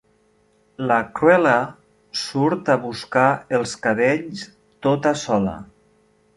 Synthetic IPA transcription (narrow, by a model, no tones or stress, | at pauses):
lakɾwɛlə | suɾt̪aβuskaəlˠskaβeʎs | t̪ot̪asɔlə̰